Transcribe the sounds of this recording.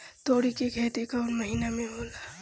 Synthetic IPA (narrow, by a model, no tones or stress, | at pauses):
t̪oːɽikeɡʱɛːt̪ekaʊnməɦiːnamẽɦoːlaː